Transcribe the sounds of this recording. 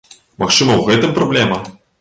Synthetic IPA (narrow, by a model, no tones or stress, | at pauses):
mɐxt͡ʂɨmɐwɣɛt̪ɨmpɾɐblʲɛmɐ